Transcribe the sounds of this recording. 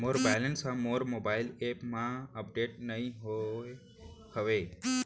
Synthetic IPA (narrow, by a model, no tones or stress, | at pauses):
moːɾbaːlənsãmoːɾmoːbaːɪleːpmãəp̚ɖeːʈnəɦĩ | həʋeː